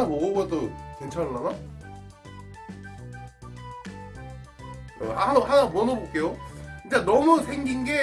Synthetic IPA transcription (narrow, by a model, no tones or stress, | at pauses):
amoɡʌbʌtokent͡ɕʰaɭːana | aanhanamuʌnobok͈e̞joind͡ʑanʌmusʰeŋɡinɡe̞